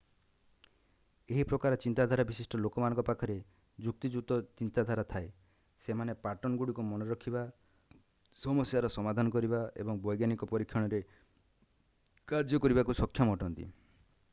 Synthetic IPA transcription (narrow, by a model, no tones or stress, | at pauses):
eɦipɾɔkaɾɔt͡ʃint̪ad̪ʱaɾabisisʈɔlokɔmanɔ̃ŋkɔpakʰɔɾe | d͡ʒuk̚t̪id͡ʒut̪ɔt͡ʃint̪ad̪ʱaɾat̪ʰae | semanepaʈɔnɡuɽikumɔnɔɾɔkʰiba | sɔmɔsjaɾɔsɔmad̪ʱanɔkɔɾibaḛbɔŋbɔjɡjanikɔpɔɾikʰːjɔɽ̃ɔɾe | kaɾd͡ʒɔkɔɾibakusɔkʰːjɔmɔɔʈɔnt̪ḭ